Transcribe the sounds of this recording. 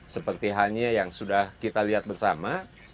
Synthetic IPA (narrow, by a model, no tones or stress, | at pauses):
səpərt̪iɦaɲajaŋsudahkit̪aliɦat̪̚bərsa̰ma